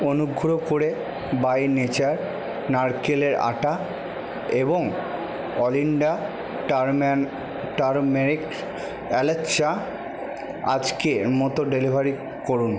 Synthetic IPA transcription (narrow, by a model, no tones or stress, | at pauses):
onuɡʱɾokoɾe | bajnet͡ɕaɾ | naɾkeleɾa̰ʈa | eboŋ | ɔliɳɖa | ʈɾm | ʈaɾmeɾik | ɛletʃa | a̰d͡ʑkemɔt̪oɖelibʱaɾi | koɾun